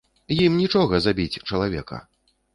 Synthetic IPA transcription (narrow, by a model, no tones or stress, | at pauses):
jimnʲit͡ʂɔɣɐzabʲit͡sʲt͡ʂɐlˠavʲɛ̰kɐ̰